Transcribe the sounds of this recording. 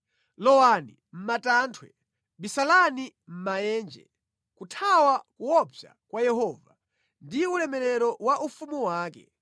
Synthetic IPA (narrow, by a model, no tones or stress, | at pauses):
lɔwani | m̩matantʰwɛ̰ | bisalani | m̩majɛːnd͡ʒɛ̰ | kutʰawakuwɔpja̰ | kwajɛhɔːva | ndiulɛmɛɾɛɾɔwaʔufumuwaːkɛ̰